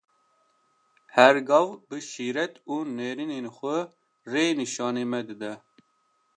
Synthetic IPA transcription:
hɛɾɡɑvbɨʃiːɾɛt̪uːneːɾineːnxʷɛ | reːniʃɑːneːmɛd̪ɨd̪ɛ

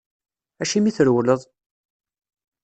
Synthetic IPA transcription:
æʃimiθəɾwləðˤ

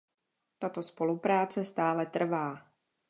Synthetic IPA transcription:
t̪at̪o̞spo̞lupɾaːt͡sɛst̪aːlɛt̪r̩vaː

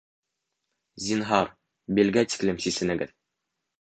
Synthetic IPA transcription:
zʲinɦɑɾ | bilɡæt̪i̥klɘmsisɘ̆nɘ̆ɡɘ̰ð

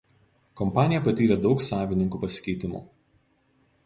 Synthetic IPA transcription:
kɔmpɑːnʲɪjɛpɐt̪ʲiːɾʲɛd̪ɒʊksɑːʋʲɪnʲɪŋkuːpɐsʲɪ̥kʲɛɪt̪ʲɪmṵː

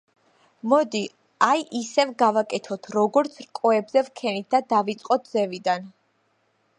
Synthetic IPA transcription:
mɔd̪i | ajʔisɛvɡavakʼɛt̪ʰɔt̪ʰɾɔɡɔɾt̪sʰɾkʼɔɛbzɛvkʰɛnit̪̚d̪ad̪avit̪sʼqʼɔt̪̚d̪z̥ɛvid̪an

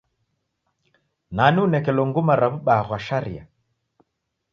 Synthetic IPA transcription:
naniunɛkɛlɔŋɡumaɾaβuɓaɣaʃaɾḭa̰

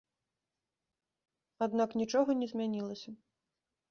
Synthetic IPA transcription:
ad̪naknʲit͡ʂɔɣɐnʲɛzʲmʲanʲilˠɐsʲɐ

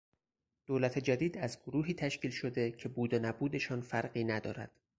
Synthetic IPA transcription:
d̪̥oːlæt̪ʰe̞d͡ʒæd̪iːd̪æzɡoɾuːɦiːt̪ʰæʃciːlʃo̞d̪e̞cʰe̞buːd̪enæbuːd̪e̞ʃɒːnfæɾɢiːnæd̪ɒ̰ːɾæ̰d̪̥

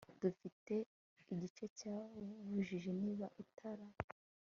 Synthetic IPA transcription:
d̥ufite̞ | iɟit͡ʃe̞caβuʒiʒeniːβaʔitʰaɾa

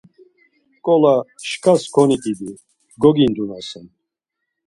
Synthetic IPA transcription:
kʼɔlaʃkʰaskʰɔnit̪ʼid̪i | ɡɔɡind̪unasɛn

